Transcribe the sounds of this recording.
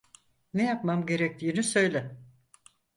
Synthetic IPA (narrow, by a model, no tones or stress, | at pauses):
nejapmamɟe̞ɾɛc̚t̪ʰiːnisø̞jlʲɛ